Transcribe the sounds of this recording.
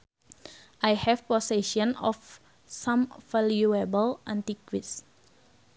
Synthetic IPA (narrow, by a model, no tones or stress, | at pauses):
ʔajhɛfpɔsɛʃɔ̃nɔ̰f | sãmvaljuabəlʔãnt̪ikwits